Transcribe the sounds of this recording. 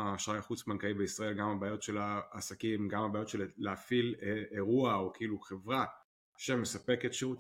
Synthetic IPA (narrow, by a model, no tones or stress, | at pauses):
aʃajaχut͡smankaibeisʁae̞lɡamabaːjo̞tʃe̞laːsakimɡamhabaːjot̪ʃelleafileeʁuaokiiluχe̞vʁa | aʃe̞mːesape̞ketʃeʁut